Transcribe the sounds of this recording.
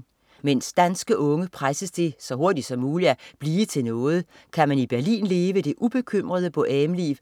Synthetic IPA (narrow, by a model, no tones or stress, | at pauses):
men̰sd̥ænsɡ̥əʔɔ̽ŋəpʰʁasəsd̥e̝sɒ̽ɦo̝ɐd̥id̥sɒ̽mːuːliæb̥liːt͡sʰe̝lnɔ̽ːð̞̩ˠ | kʰæmænib̥æɐlḭːnle̝ːʋəd̥e̝ʔub̥e̝kʰøm̰ʁɐð̞ˠəb̥ɔ̽ʔɛːmlḭːʋ